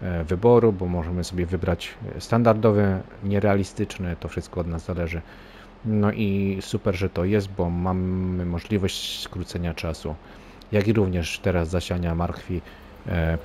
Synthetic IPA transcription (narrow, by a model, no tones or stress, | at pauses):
vɘbɔɾubɔmɔʐɛmɘsɔbʲjɛvɘbɾat͡ɕst̪and̪aɾd̪ɔvɛ | ɲɛɾɛalʲist̪ɘt͡ʂnɛt̪ɔfʂɘst̪kɔɔd̪nazzalɛʐɘ | nɔʔisupɛɾʐɛt̪ɔjɛs̬t̪̚bɔmamɘmɔʐlʲivɔɕt͡ɕskɾut̪sɛɲat͡ʂasu | jakʲiɾuvɲɛʂt̪ɛɾazːaɕaɲamaɾkfʲi